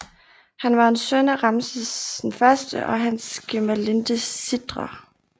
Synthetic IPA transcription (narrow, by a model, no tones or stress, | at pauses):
hænʋɑ̈ensønæʁɑmsəsenfɶɐsd̥əʔɒ̽ɦænsɡ̥emælend̥əsid̥ʁɐ